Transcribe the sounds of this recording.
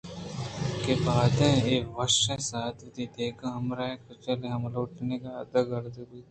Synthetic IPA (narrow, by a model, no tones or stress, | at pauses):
kebaːd̪ẽeːʋɐʃẽsaːt̪ʰɪd̪id̪eːkãɦɐmɾaẽkɐt͡ʃɐleɦɐmloːʈnekaɐd̪ɐɡɐɾd̪ebui